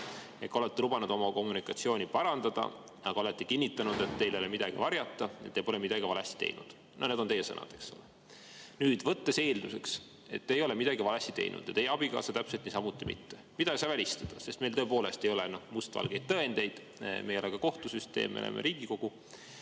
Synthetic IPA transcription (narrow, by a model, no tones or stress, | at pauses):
jeko̞let̪ːilubɑnud̪̥o̞mɑko̞mːunikːˑɑt̪sioːnʲipɑɾɑnd̪̥ɑd̪̥ɑ̰ | ɑɡ̥ɑolet̪ːikinʲːit̪ːˑɑnud̪̥e̞t̪ːe̞jlelemid̪̥ɑɡ̥ivɑɾjɑt̪ːɑḛt̪ːepo̞lemid̪ɑɡivɑlest̪i̥t̪e̞̰jnʔṵd̪̥ | noned̪o̞ne̞jesɤnɑ̰d̪̥e̞ksole | nyːd̪̥vɤt̪ːe̞se̞ːld̪use̞ks | e̞̰t̪ːejo̞le̞mid̪ɑɡivɑlesːit̪e̞̰jnʔṵd̪̥ɑt̪ejːɑb̥ikɑ̰ːsɑt̪æpse̞lt̪nisɑmut̪ːˑimḭt̪ːemid̪̥ɑisɑːvælʲist̪ɑd̪̥ɑse̞st̪me̞jlt̪ɤep̬o̞ːle̞st̪e̞jo̞lenohmust̪vɑ̰lɡ̥e̞jd̪̥̚t̪ɤend̪̥e̞jd̪̥ | mejo̞leɡ̥kɑko̞ht̪usyst̪e̞̰ːmo̰lḛmʔḛɾʔiːɡ̥iko̞ɡ̥u